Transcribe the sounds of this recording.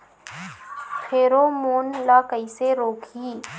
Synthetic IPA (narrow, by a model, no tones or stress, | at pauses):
xʰeːɾoːmoːnlaːkəiseɾoːkʰiː